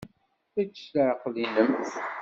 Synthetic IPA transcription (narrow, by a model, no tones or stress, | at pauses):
θæt͡sːə̥slʕqːlinəmθ